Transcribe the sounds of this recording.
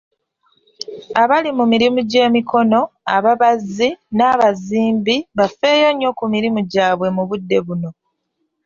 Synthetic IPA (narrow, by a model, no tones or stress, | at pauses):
aβalimumiɾimuɟe̞ːmiko̞no̞a̰βaβazinaːβaziːmbiβafe̞ːjo̞ɲo̞kumiɾimuɟaːβwe̞muβudːe̞βuno̞